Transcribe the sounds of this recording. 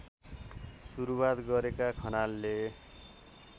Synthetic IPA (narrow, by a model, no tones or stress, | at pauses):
suɾuwat̪ɡʌɾekakʰʌnalːe